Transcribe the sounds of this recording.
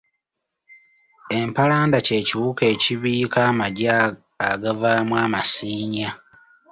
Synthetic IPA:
e̞mpalaːndace̞ːciwuke̞ːciβiːkaːmaɟaː | ɡavamwaːmasiːɲa

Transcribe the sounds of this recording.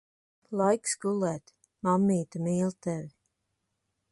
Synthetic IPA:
lˠajksɡulˠɛːt̪ | mamːiːt̪amiːlˠt̪ɛv

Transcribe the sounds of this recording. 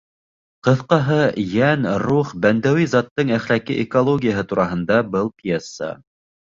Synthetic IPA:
qɤ̆θqɑɦɤjænɾuχbænd̪æwizɑt̪ːɤɴæχlækiʔekolˠoɡʲijaɦɤt̪uɾɑɦɤ̆nd̪ɑbɤlˠpjesːə̰

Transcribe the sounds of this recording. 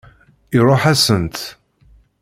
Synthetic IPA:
ɪɾˤoħæsənt̪

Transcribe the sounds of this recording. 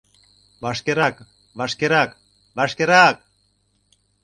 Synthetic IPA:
βaʃkeɾak | βaʃkeɾak | βaʃkeɾak̚

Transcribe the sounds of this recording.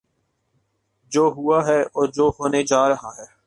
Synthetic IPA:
d͡ʒoːɦʊaɦɛːɔːɾd͡ʒoːɦoːned͡ʒaːɾəɦaɦɛː

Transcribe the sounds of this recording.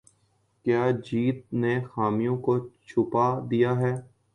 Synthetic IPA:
kjaːd͡ʒiːt̪̚nexaːmijõːkot͡ʃʰʊpaːd̪ijaːɦɛː

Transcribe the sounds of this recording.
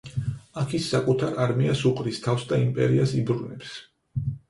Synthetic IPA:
akʰisːakʼut̪ʰaɾaɾmiasuqʼɾist̪ʰafsd̪aimpʼɛɾiasibɾunɛps

